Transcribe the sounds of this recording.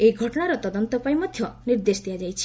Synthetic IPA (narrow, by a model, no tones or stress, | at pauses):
ejɡʱɔʈɔɽ̃aɾɔt̪ɔd̪ɔnt̪ɔpajmɔd̪ʱjɔniɾd̪esd̪ijad͡ʒajt͡ʃʰi̥